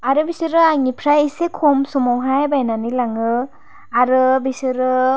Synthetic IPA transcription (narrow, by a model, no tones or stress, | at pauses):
aɾɯbisɯɾɯaŋipʰɾajisekʰomsɔmɔwɦajbajnanilaŋɯ | aɾɯbisɯɾɯ